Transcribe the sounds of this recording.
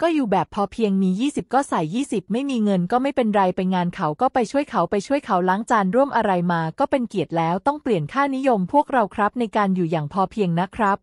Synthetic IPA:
kɔː˥˩juː˨˩bɛː˨˩pʰːɔː˧pʰi˧əŋmiː˧jiː˥˩si˨˩p̚kɔː˥˩sa˨˩jːiː˥˩si˨˩p̚ma˥˩jmiː˧ŋɤ˧nkɔː˥˩ma˥˩jpe˧nɾa˧jpa˧jŋaː˧nkʰa˨˦˥wkɔː˥˩pa˧jt͡ɕʰu˥˩əjkʰa˦˥wpa˧jt͡ɕʰu˥˩əjkʰa˦˥wlaː˦˥ŋt͡ɕaː˧nɾu˥˩əmʔa˧ɾa˧jmaː˧kɔː˥˩pe˧nki˨˩ət̪̚lɛː˦˥wt̪ɔ˥˩ŋpli˨˩ənkʰaː˥˩ni˦˥jo˧mpʰu˥˩ək̚ɾa˧wkʰɾa˦˥p̚na˧jkaː˧njuː˨˩jaː˨˩ŋpʰɔː˧pʰi˧əŋna˦˥kʰɾa˦˥p̚

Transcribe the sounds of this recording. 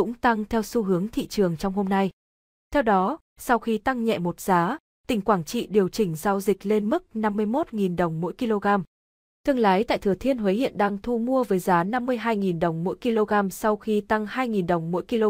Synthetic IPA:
ʊ̰˧˥ŋ͡mt̪a˧ŋt̪ʰɛ˧wsu˧ɦɨ˨˦əŋt̪ʰḭ˧˨t͡ɕɨ˨˩əŋt͡ɕɔ˧wŋ͡mho˧mna˧j | t̪ʰɛ˧wɗɔ˨˦ | sa˧wxi˧t̪a˧ŋɲɛ̰˧˨mo˨˩t̚z̥aː˨˦ | t̪ï˨˩ŋ̟kwaː˧˩ŋt͡ɕḭ˧˨ɗi˨˩əwt͡ɕï˧˩ŋ̟zaː˧wzï˨˩k̟̚le˧nmɨ˦˥k̚na˧mːɨ˧əjmo˦˥t̚ŋi˨˩nɗə˨˩wŋ͡mmo̰˧˥jki˧lo˧ɣaː˧m | t̪ʰɨ˧əŋlaː˨˦jt̪a̰ː˧˨t̪ʰɨ˧˩ət̪ʰi˧ənɦwe˨˦hḭ˧˨ənɗaː˧ŋt̪ʰu˧mu˧əvəː˨˦jzaː˨˦na˧mːɨ˧əjɦaː˧jŋi˨˩nɗə˨˩wŋ͡mmo̰˧˥jki˧lo˧ɣaː˧msa˧wxi˧t̪a˧ŋhaː˧jŋi˨˩nɗə˨˩wŋ͡mmo̰˧˥jki˧lo˧

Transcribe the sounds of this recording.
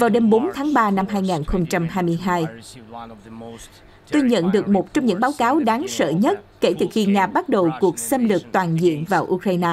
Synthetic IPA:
vaː˨˩wɗe˧mɓo˨˦nt̪ʰaː˨˦ŋɓaː˧na˧mɦaː˧jŋaː˨˩nxə˧wŋ͡mt͡ɕa˧mɦaː˧jmɨ˧əjɦaː˧j | t̪o˧jɲə̰˧˨nɗɨ˨˩ək̚mo˨˩t̚t͡ɕɔ˧wŋ͡mɲɨ̰˧˥ŋɓaː˨˦wkaː˨˦wɗaː˨˦ŋsə̰ː˧˨ɲə˦˥t̚ke˧˩t̪ɨː˨˩xi˧ŋaː˧ɓa˦˥t̚ɗə˨˩wku˨˩ək̚sə˧mlɨ˨˩ək̚t̪waː˨˩nzḭ˧˨ənvaː˨˩wʔu˧kɾaː˧jnaː˧

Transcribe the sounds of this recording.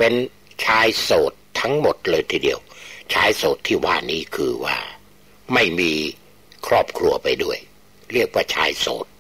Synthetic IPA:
pe˧n | t͡ɕʰaː˧jsoː˨˩t̪ʰːa˦˥ŋmo˨˩t̪̚lɤː˧jt̪ʰiː˧˩di˧əwt͡ɕʰaː˧jsoː˨˩t̪ʰːiː˥˩waː˥˩niː˦˥kʰɯː˧wa̰ː˥˩ | ma˥˩jmiː˧ | kʰɾɔː˥˩p̚kʰɾu˧ɐpa˧jdu˥˩əj | ɾi˥˩ək̚waː˥˩t͡ɕʰa̰ː˧jso̰ː˨˩t̪̚

